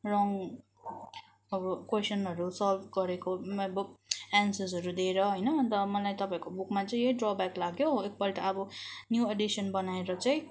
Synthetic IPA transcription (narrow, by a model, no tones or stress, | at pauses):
rʌŋ | ʌbʌkwesʌnɦʌɾusʌlbɡʌɾekobuansʌsʌɾud̪eɾʌɦʌjnʌt̪ʌmʌlajt̪ʌpaĩkobukmat͡sʌĩɦeiɖrɔbaklaɡjoek̚pʌʈ̪ʌːbʌnjueɖisʌnbʌnaeɾʌt͡saĩ